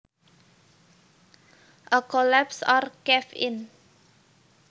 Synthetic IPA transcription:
ʔəkolɛpsɔrkɛfɪn

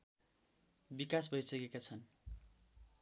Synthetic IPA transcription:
bikas̬bʱʌjsʌkekat͡sʰʌn

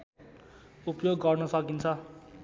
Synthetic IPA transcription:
upjoɡːʌrnʌsʌkint͡sʰʌ

